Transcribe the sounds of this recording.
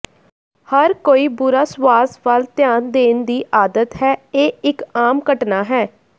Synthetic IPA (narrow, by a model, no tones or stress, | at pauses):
həɾkoːiːbʊɾaːsʋaːsʋəlt̪jaːnd̪eːnd̪iːʔaːd̪ət̪ɦɛːeːɪkaːmkəʈnaːɦɛː